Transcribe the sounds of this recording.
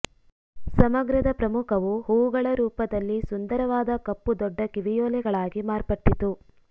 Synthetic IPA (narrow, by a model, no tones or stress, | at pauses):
sɐmɐɡɾɐd̪ɐpɾɐmukʰɐʋuɦuwuɡɐɭɐɾuːpɐd̪ɐlːisund̪ɐɾɐʋaːd̪ɐkɐpːud̪ɔɖːɐkiʋijɔːlɛɡɐɭaːɡimaːɾpɐʈːit̪u